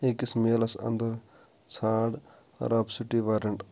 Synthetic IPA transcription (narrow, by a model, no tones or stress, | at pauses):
ekismeːlɐsɐ̰nd̪ɐɾ | t͡sʰaːɽ̰ | ɾɐpsuʈːiʋaːɾɐɳʈ